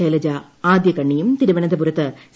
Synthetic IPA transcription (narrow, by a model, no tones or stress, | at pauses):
ɐjlɐd͡ʑa | aːd̪jɐkɐɳːijumt̪iɾɐʋɐɳɐnd̪ɐpuɾɐt̪ːɨs